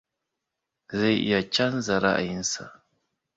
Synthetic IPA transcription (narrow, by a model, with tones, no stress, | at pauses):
za˦jḭ˨ja˨t͡ʃa˦n˦za˨ɾa̰˦ʔa̰˨ji˦n˦sa̰˨